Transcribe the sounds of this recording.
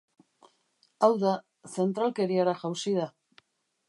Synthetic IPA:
awða | θe̞nt̪ɾalke̞ɾiaɾaʝawsiða

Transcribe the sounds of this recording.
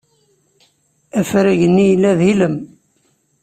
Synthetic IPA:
æfɾæʝənːijlːæðiləm

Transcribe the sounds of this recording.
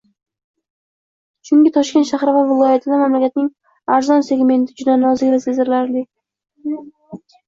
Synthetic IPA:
t͡ʃʰʊŋɡʲɪt̪ʰɒʃkʲet̪ʃaχɾɪvavɪlˠɒjat̪ʰɪd̪amamlakʲat̪nɪŋ | aɾzɒnse̞ɡʲme̞nt̪ʰɪd͡ʒʊd̪anɒzɪɡʲvasezɪɾɪlaɾd̪ɪ

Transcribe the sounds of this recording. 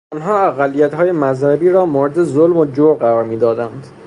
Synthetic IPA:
ɒnɦɒːæɣælːijæt̪ɦɒːje̞mæzhæbiːɾɒːmoːɾed̪ezolmod͡ʒoɾɢæɾɒːɾmiːd̪ɒːd̪ænd̪

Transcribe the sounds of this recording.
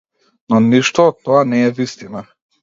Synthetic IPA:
nɔniʃt̪ɔːt̪ːɔanɛːvist̪ina

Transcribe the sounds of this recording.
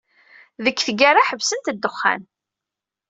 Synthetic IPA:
ðəkːθɡaɾaħəvsənt̪d̪ːəχːa̰n

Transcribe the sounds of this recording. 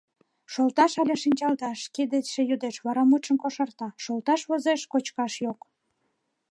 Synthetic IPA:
ʃolt̪ɑʃɑlʲeʃinʲt͡ɕɑlt̪ɑʃked̪eʃejod̪eʃβɑɾɑmut̪ʃəmkoʃɑrt̪ɑʃolt̪ɑʃβozeʃkot͡ɕkɑʃjok

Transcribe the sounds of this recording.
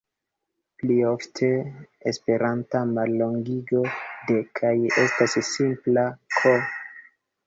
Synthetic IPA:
plio̞ftʰe̞espe̞ɾantamalːo̞ŋɡiɡo̞de̞kʰaje̞stasːimplakʰo

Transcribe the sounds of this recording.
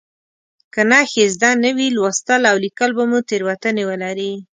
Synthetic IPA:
kanaxezd̪anːəwilwast̪əlawlikəlbamut̪eɾwat̪ənewəlaɾi

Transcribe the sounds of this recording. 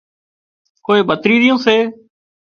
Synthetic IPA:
koːeːbʱət̪ɾiːɾɪjõːseː

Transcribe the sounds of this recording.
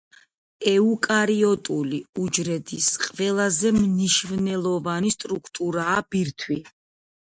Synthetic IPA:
ɛukʼaɾiɔt̪ʼuliud͡ʒɾɛd̪isqʼvɛlˠazɛmniʃvnɛlˠɔvanist̪ʼɾukʰt̪ʼuɾaːb̥iɾt̪ʰwi

